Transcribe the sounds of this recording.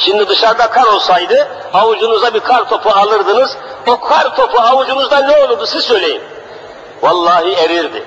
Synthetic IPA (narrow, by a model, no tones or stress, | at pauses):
ʃimd̪id̪ɯʃaɾd̪akʰaɾo̞lˠsajd̪ɯ | awud͡ʒunuzd̪abikʰaɾt̪ʰo̞pʰualˠɯɾd̪ɯnɯzbukʰaɾt̪ʰo̞pʰuawud͡ʒunuzd̪anɛo̞lˠuɾd̪usizsø̞jlʲejḭm | walˠːɑːɦieɾiɾd̪ḭ